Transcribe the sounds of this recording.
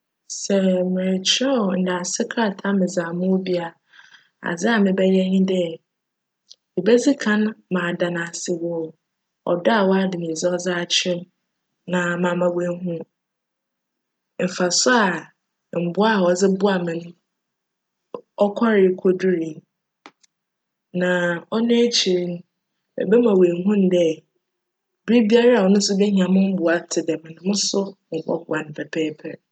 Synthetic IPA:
sɛ˨mɪ̃˨ɾɪ˨t͡ɕʰɪ˦ɛ˦ɔ˨n̩˨da˨sɪ˦kʰa˦˨tʰa˦mɪ̃˨zã˨mʊ̃˦bi˦a˨ | a̰˨d͡zɪ˦a˨mɪ̃˦bɛ˦jɛ˦ɲĩ˦dɛ˦ | ɪ˨bɛ˦d͡zi˦kʰã˦n˦mã˨dã˨nã˨sɪ˨wɔ˦˨ | ɔ̰˨dɔ˦a˨wɔ˦a˦dɪ˨nĩ˨zɪ˦ɔ˦za˦a˨t͡ɕʰɪ˦ | nã˨mã˨mã˦we˦ɦũ˦ | m̩˨fa˨sʊ˦a˨ | m̩˨bʊ˦a˦˨ɔ˨d͡zɪ˦bʊ˦a˨mɪ̃˨nʊ̃˦ | ɔ˦kʷʰɔ˦ɾɪ˨˦kʰo˦du˦ɾĩ˨n | nã˨ɔ˦nã˦æ˦t͡ɕʰi˨ɾĩ˦n˦ | ɛ̰˨bɛ˦mã˨we˨ŋ˦ɦũ˦n̩˨dɛ˦˨ | bi˦bi˦a˦ɾa˦a˨wɔ˨nʊ̃˦s̬ʊ˦bɛ˦ɲ˨ã˨mʊ̃˦m̩˦bʊ˨a˨tʰɪ˨dɛ˨mɪ̃˨nʊ̃˨˦mʊ̃˦sʊ˦mʊ̃˨kɔ̰˦kʊ˨˦a˨nɪ̃˨pʰɛ˨pʰɛ˦pʰɛ̰˨

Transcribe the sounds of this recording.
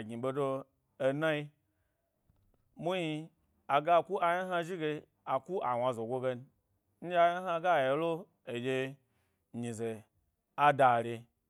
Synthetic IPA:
ɡi˨ɓo˧do˧ | e˨na˦i˧ | mu˦ji˧ | a˨ɡa˦˨ku˦ʔa˨ja˦ɦa˧ʒi˦ɡe˧ | a˨ku˦ʔa˨wa˧zo˨ɡʷo˦˧ɡe˧n˦ | n̩˦d͡ʒa˧˦ja˦ɦa˧˦ɡa˦˨je˨lo˦ | e˨d͡ʒʲe˧ | ɲi˨ze˨ | a˦da˨ɾe˧

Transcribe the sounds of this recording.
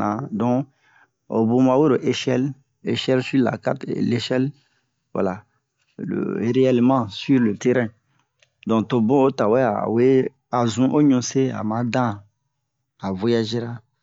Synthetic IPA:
ã˨dɔ̃˦ | o̰˨bõ˦ma˨we˦ɾo˨ʔe˦ʃɛ˦l | e˨ʃɛ˦lsy˦la̰˨ka˦tle˦ʃɛ˦l | wa̰˨la˨ | l̰ɾe˦ɛ˨lmã˦sy˦ɾlø˨tɛ˦ɾɛ̃˦ | dɔ̃˨kto˨bõ˦o˦ta˨wɛ˦a̰˨we˦ | a˨zũ˦ʔo˦ɲũ˦se˦a̰˨mã˨˦dã˦ | a˨vɔ˦ja˨ʒe˦ɾa˦

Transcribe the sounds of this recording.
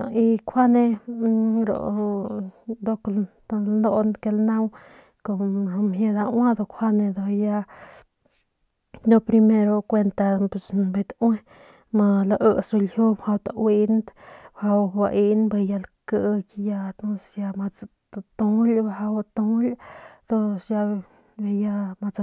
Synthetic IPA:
i˧kʰʷa˦ne˧ | ɾo̰˨ | d̪o˧kl | lno˧nke˧lnã˦w | ko˧ɾo˧me˧d̪a˧wa˦d̪o˧kʰʷwa˦ne˧d̪o˧ja˧ | d̪o˧pɾi˧me˧ɾo˧kʷe˧nt̪a˧pe˨sbe˧t̪we˦ | ma˧la˧ʔə˦˧so˧lju˦bha˧wt̪a˧wi˧˦nt̪bha˧wba˧ʔi˦nbe˧ja˧lkə˧kja˧t̪õ˧sja˧ma˧t͡st̪t̪o˧lbha˧wt̪õ˧˦lʲd̪̥o˦˧sja˧ | be˧ja˧ma˧t͡s

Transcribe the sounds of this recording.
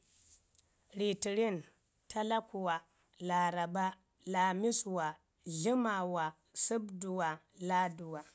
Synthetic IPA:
ɾi˨ti˨ɾi˦n | tʰa˦la˦ku˨wa˨ | la˨ɾa˨ba˦ | la˨mi˦swa˨ | ɮi˦ma˨wa˨ | su˦bdu˨wa˨la˦du˨wa˨

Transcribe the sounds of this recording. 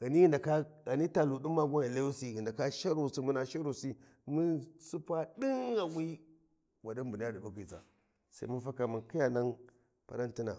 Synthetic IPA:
ɣa˨ni˦i˦nda˨ka˦ɣa˨ni˦ta˨lu˨du˦mːa˦ɡʷa˦i˨le˦u˦si˨ɣi˨nda˨ka˦ʃa˦ɾu˦˨si˦mu˦na˦ʃa˦ɾu˨si˦ | mi˦nsu˦pa˦di˦ŋa˨wi˦ | wa˨di˦nbu˨n˦a˦di˨ba˦ki˨za̰˨ | sa˦i˦mu˦nfa˦ka˨mu˨nki˦ja˨na˦n | pa˨ɾa˦nti˦na̰˨

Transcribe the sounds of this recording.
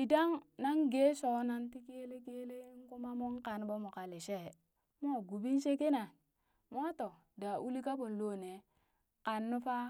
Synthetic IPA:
i˨da˦ŋna˦ŋɡe˦so˨na˦nti˦ke˦le˦ke˦le˦ŋ˦ku˦ma˦mo˦ŋka˨nbo˦mo˨ka˨le˨ʃe˦˨ | mo˦˨ɡu˨bi˦n˦ʃe˦ke˦na˨n | mo˦to˨ | da˨ʔu˦li˦ka˦bo˨n˨lo˦˨ne˨ | ka˨nːu˦fa˦

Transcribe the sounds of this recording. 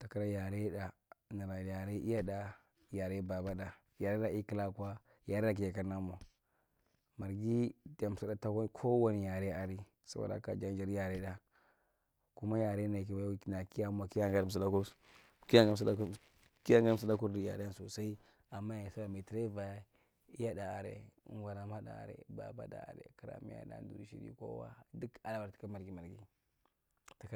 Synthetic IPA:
ta˨ka˦ɾa˦ja˨ɾe˦ɗa˨na˨ɾa˨ja˨ɾe˦ʔi˦ja˦da˨ | ja˨ɾe˦ba˨ba˦da˨ | ja˨ɾe˦ɾa˨i˦ki˦la˦ka˦ | ja˨ɾe˦a˨k̬i˨ja˨ka˦ɾna˦mo˨ | ma˨ɾɡi˦da˨m˨sa˨˦da˦ta˦wa˦n˦kʰo˦wa˦ni˨ja˨ɾe˦a˨ɾi˦ | sa̰˦bo̰˨da̰˦ka̰˨d͡ʒa˦n˦d͡ʒa˨ɾja˨ɾe˦ɗa˨ | ku˦ma˦ja˨ɾe˦na˨ki˨wa˨jna˨ki˦ja˦m˦a˨ki˦ja˦ŋɡa˦ɾs̬a˨la˦ku˦ | ki˦ja˦ŋɡa˦m˨sa˦ | ki˦a˦ŋɡm˦sa˦la˦ku˦ɾdi˦ja̰˨ɾe˦a˦nso˨sa˦i˦ | a˨mːa˦ja˨sa˦a˨me˨ti˨ɾa˦va˨˦ | ja˦da˨a˨ɾḛ˨ṵ˦ɡa˨ɾa˨ma˦da̰˨ɾḛ˨ba̰˨ba̰˦da̰˨a̰˨ɾḛ˨ki˨ɾa̰˨mḭ˦a̰˦da̰˨n˨dṵ˨ɾi˨ʃḭ˦ɾḭ˦ko̰˦wa̰˦du˦ka˨lba˨ɾti̥˨ka˦ma˨ɾɡi˨ma˨ɾɡi˦ | ta˨k

